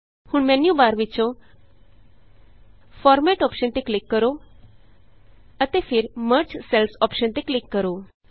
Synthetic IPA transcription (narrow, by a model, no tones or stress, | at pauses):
huɳmenjubaːɾʋit͡ʃõ | fɔɾmeʈɔpʃənt̪eklikːəɾo | ət̪efʰiɾməɾt͡ʃselsɔpʃənt̪eklikːəɾo